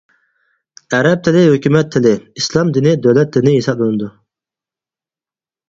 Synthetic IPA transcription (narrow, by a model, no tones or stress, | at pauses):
ɛɾɛp̚t̪ʰɪlɪɦøkʲymɛt̪ʰːɪlɪislˠɑmd̪inɪd̪øwlɛt̪̚d̪ɪnɪɦesɑplˠɨnɨd̪u